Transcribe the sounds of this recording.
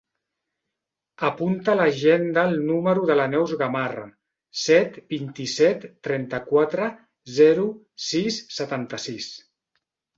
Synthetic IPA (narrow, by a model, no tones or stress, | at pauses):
əpunt̪ələʒend̪əlˠnuməɾuðələnɛwzɣamara̰ | sɛt̪bint̪isɛt̪ːɾɛnt̪əkwat̪ɾə | zɛɾu | sisːət̪ant̪əsis